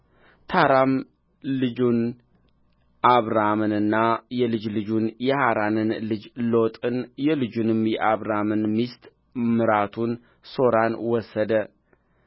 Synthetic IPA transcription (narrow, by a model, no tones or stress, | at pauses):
t̪ʰaɾam | lɨd͡ʒun | ʔaβɾamɨnɨnːajɛlɨd͡ʒlɨd͡ʒunjɛhaɾanɨnlɨd͡ʒlo̞t̪ʼɨnjɛlɨd͡ʒunɨmjɛʔaβɾamɨnmist̪ʼ | mɨɾat̪ʰun | so̞ɾanwɔsːəd̪ə